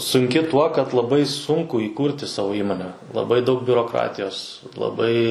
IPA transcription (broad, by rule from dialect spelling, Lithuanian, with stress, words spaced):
sʊŋʲˈkʲɪ tuɔ kɐt lˠɐˈbɐɪ ˈsʊŋkʊ iːˈkuːrʲtʲɪ ˈsɑːʋoː ˈiːmoːnʲɛ lˠɐˈbɐɪ dɐʊk bʲʊroːˈkrɑːtʲɪjoːs lˠɐˈbɐɪ